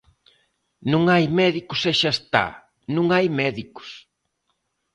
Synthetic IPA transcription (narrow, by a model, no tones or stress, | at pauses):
nũŋajmɛðikʊsɛʃast̪a̰ | nũŋajmɛðikʊ̥s